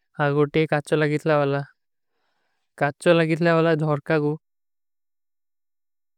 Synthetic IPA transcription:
aɡɔʈɛkat͡ʃɔlaɡit̪ʰlabala | kat͡ʃɔlaɡit̪ʰlabalad̪ʱɔɹkaɡu

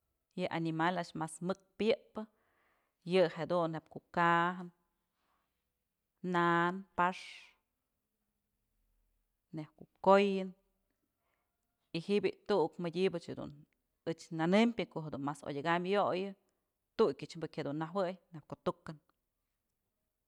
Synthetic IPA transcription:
jɨʔanimalaʔʃmasmɨk̚pjɨʔpɨ | jɨhed̪unːep̚kuʔkaɦɨn | anpaʂ | nːekuʔkojɨn | ihiʔbʲiʔt̪uʔukmɨdʲibɨt͡ʃhed̪ṵn | ɨt͡ʃnanɨmpʲɨkoʔɦed̪unmaso̰jʲaɡamjojɨ | t̪ukʲɨʔt͡ʃbɨkʲhed̪unːaɦwɨjnep̚kot̪ukɨn

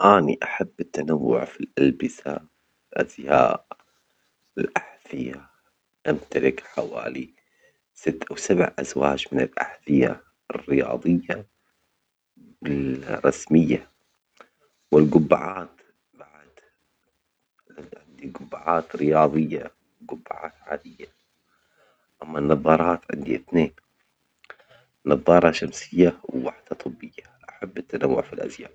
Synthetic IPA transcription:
ʔaːniʔaħabːɪt̪ːanawːʊ̰ʕfilʔalbɪsa̰f | lʔazja̰ːʔ | ɪlʔaħθɪja | ʔamt̪alɪkħawa̰ːli | sɪt̪ːʔawsabʕʔa̰zwaːd͡ʒmɪnɪlʔaħθɪja̰ | rːɪjɑ̰ːðˤɨjːa | ɪlɾˤɑsmɪjːa | wɪlɡʊbːa̰ʕaːt̪ | baʕd̪ | ʕɪnd̪iɡʊbːaʕaːt̪ɾɪjɑːðˤɨjːa | wɡʊbːaʕaːt̪ʕaːd̪ɪjːa | ʔamːanːɑðˤɑːɾˤɑːt̪ʕɪ̰nd̪iʔɪθneːn | nɑðˤːɑːɾˤɑʃamsɪjːawwaħd̪̥at̪ˤɨbːɪjːaʔaħabːɪt̪ːanawːʊ̰ʕfilʔa̰zja̰ːʕ

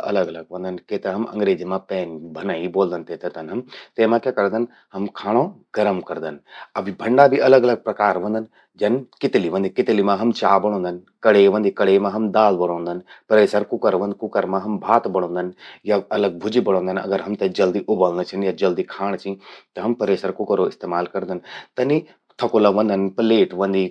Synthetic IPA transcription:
ɐ̰ləɡɐləɡ̚ʋɐ̃nd̪ənket̪ɐɦɐmɐ̰̃ŋɡɾeːd͡ʒimãpɛːnbʱɐnaːiboːld̪ənt̪et̪ɐt̪ɐnɦɐmt̪eːmãkjakɐɾd̪ən | hɐmkʰaːɽ̃õɡ̥ɐɾəmkɐɾd̪ənɐbʱibʱɐ̃ɳɖabʱiʔɐləɡɐləɡ̚pɾɐkaːɾʋɐ̃nd̪ən | d͡ʒɐnkɪt̪liʋə̃nd̪ikɪt̪limãɦɐmt͡ʃaːbɐɽ̃õːnd̪ən | kɐɽeːʋɐ̃nd̪ikɐɽeːmãɦɐmd̪aːlbɐɽ̃õːnd̪ənpɐɾeːsəɾkʊkəɾʋɐ̃nd̪kʊkəɾmãɦɐmbʱaːt̪bɐɽ̃õːnd̪ənjaɐləɡ̚bʱʊd͡ʒibɐɽ̃õːnd̪ənɐ̰ɡəɾɦɐmt̪ɐd͡ʒɐld̪iʔʊbəlnət͡ʃʰɐnjad͡ʒɐld̪ikʰaːɽ̃t͡ʃʰĩt̪ɐɦɐmpɐɾeːsəɾkʊkəɾoɪst̪eːmaːlkɐɾd̪ənt̪ɐni | t̪ʰɐkolɐʋɐ̃nd̪ənpɐleːʈʋɐ̃nd̪i

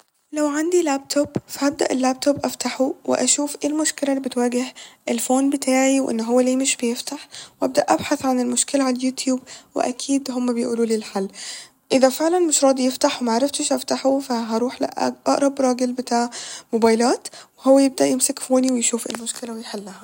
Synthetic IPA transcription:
læwʕand̪ilæːb̚t̪ʰobfaʔab̚d̪a̰ʔelːæːb̚t̪ʰobʔaft̪aħuwɪ̰ʔæʃuːfʔeːlmʊʃkɪlælːibɪt̪wæːɡɪhʔɪlfoːnbɪt̪ʰaːʕiwʔɪ̰nːɦowːæleːmɪʃbɪjɪft̪aħwʔab̚d̪æʔabħaθʕanelmʊʃkɪlaʕalljuːt̪juːbwɪ̰ʔæ̰kʰiːd̪ɦomːæbɪjʔuːluːliːlħalː | ʔɪðæfeʕlænmɪʃɾˤɑːd̪ijɪft̪aħwemaʕaɾˤɑft̪ɪʃʔaft̪aħufaɦɑɾˤuːħla̰ʔʔɑ̰ʔɾˤɑbɾˤɑːɡɪlbɪt̪aːʕmobaːjlaːt̪wehowːæjɪb̚d̪æʔjɪmsɪkfoːniwɪjʃuːfʔḛlmʊʃkɪlæwɪjħelːahæ

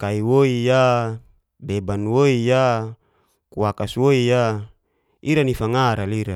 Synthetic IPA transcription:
kaiwoija | bebanwoija | kuakaswoija | iɾanifaŋaɾaliɾa

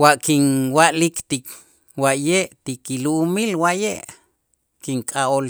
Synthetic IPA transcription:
waʔkinwaʔlikt̪ik | waʔjeʔt̪ikiluʔumilwaʔjeʔ | kiŋkʼaol

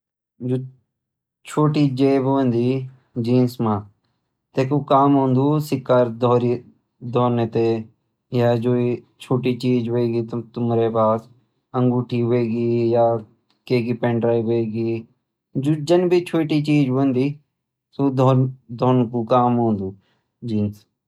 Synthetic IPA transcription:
d͡ʒoː | t͡ʃʰoːʈiːd͡ʒeːbʋə̃nd̪iː | d͡ʒiːnsmãː | t̪eːkuːkaːmɦõːnd̪uːsɪkːaːɾd̪ʱoːɾi | d̪ʱoːnət̪eː | jaːd͡ʒoːiː | t͡ʃʰoːʈiːt͡ʃiːd͡ʒɦeːɡiːt̪ʊmɾeːpaːs | əŋɡuːʈʰiːɦeːɡiːjaː | keːkiːpẽːɳɖɾaːiːʋeːɡiː | d͡ʒoːd͡ʒənbʱiːt͡ʃʰoːʈiːt͡ʃiːd͡ʒnd̪iː | soːd̪ʱoːd̪ʱoːnkuːkaːmɦõːnd̪uː | d͡ʒiːns

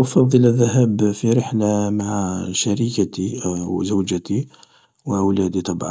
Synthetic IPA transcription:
fɑd̪ˤːələðːæɦæbfiɾəħlamaʕʃæɾikat̪izəwd͡ʒət̪i | wʔəwlæd̪it̪ˤɑbʕɑ̰n

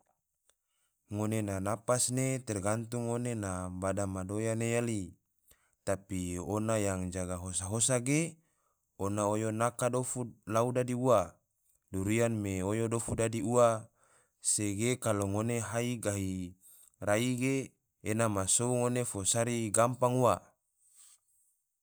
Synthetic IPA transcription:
ŋonenanapasnet̪ɛrɡant̪uŋːonenabadamadojanejali | t̪apionajaŋd͡ʒaɡaɦosaɦosaɡe | onaojonakadofulaudadiua | duɾianmeojodofudadiua | seɡekaloŋoneɦaiɡaɦi | raiɡeː | namasouŋonefosaɾiɡampaŋuwa

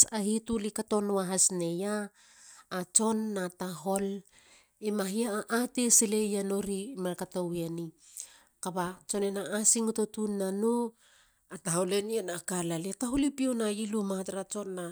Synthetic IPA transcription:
ahitulikato̞noaɦasne̞jaː | t͡ʃo̞nːataɦo̞l | imaɦiaʔːtesilejano̞ɾimalkatoweni | kabat͡ʃo̞nenaːsiŋutotunːano | ataɦole̞nienakalaletaɦulipionailumahataɾat͡ʃo̞nːa

